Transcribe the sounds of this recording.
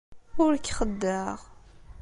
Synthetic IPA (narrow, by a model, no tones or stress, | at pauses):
ʊɾkχəd̪ːəʁ